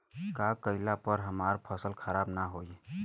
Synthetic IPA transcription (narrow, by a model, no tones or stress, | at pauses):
kakəɪlapəɾɦəmaːɾpʰəsəlkʰəɾaːbnaɦoi